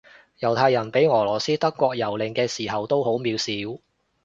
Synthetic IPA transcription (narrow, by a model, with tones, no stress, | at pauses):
jɐ˨˩wt̪ʰaː˧jɐ˨˩npe˨˥jŋɔː˨˩lɔː˨˩siː˥t̪ɐ˥kʷːɔː˧k̚jɐ˨˩wlɪ˨˩ŋkɛː˧siː˨˩ɦɐ˨wt̪o˥who˨˥wmiː˨˧wsiː˨˥w